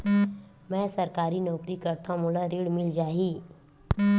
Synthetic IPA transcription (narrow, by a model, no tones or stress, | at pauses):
mɛ̃ːsɐɾkaːɾinɔːkɾikɐɾt̪ʰãmʊlaɾiːɽmɪld͡ʒaːɦiː